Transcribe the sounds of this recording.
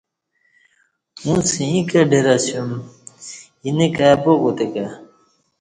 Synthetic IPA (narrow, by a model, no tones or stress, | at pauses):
ũsĩĩkɐɖʱeɾasjum | inekapokot̪eka